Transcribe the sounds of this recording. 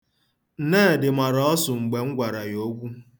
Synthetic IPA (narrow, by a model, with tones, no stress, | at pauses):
n̩˨neː˦˨dɪ˨ma˨ɾɔ˦ɔ˦sʊ˨ŋ͡m̩˨ɡ͡be˨ŋ̩˦ɡʷa˨ɾa˨jo˦ɡʷu˦